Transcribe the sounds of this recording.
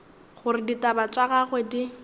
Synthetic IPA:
χʊɾɪditʼabat͡ʃʼaɣaχwedi

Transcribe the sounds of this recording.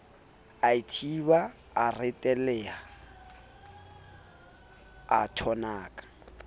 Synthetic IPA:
aitʰibaː | rɪtʼɛlɛa | atʰɔnaːkʼḁ

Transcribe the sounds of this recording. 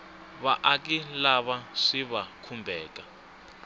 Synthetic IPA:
βaʔak̬ilaβaʂiβakʰumbʱɛːka

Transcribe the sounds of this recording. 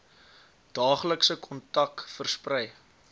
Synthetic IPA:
d̥ɑːχləksəkʰɔntɐkfərsprɛj

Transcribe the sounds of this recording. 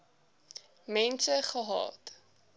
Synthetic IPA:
mɛnsəχəɦɑ̰ːt

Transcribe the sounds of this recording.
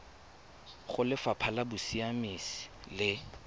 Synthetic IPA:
χʊlɪfapʰalabʊsiamisi̥lɪ

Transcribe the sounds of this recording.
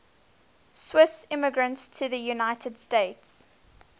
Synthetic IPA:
swɪsɪməɡɹə̃ntstʰəðəjunaɪtʰəd̥steɪts

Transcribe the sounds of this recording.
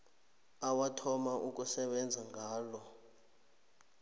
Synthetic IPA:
awatʰɔmaʔuk̬ʼusɛɓɛnd͡zʱaŋʱaːlɔ

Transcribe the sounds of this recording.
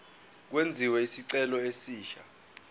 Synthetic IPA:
k̬wend͡zʱiwɛisiǀɛlɔesiːʃa̰

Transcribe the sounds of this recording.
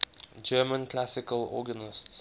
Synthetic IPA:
d͡ʒɜːmə̃nkʰlasɪkəlɔ̰ɡənɪsts

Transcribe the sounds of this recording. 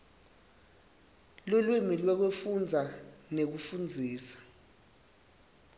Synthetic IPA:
lulwimilwɛk̬wefund͡zʱanek̬ufund͡zʱiːsḁ

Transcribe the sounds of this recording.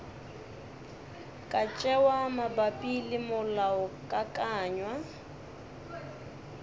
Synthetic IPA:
kʼat͡ʃʼɛwamabapʼilɪmʊlaʊkʼakʼaːɲwa

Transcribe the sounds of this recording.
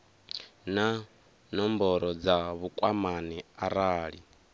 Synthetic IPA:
na | nɔmbɔɾɔd͡zaβukʼwamaniaɾaːɺi

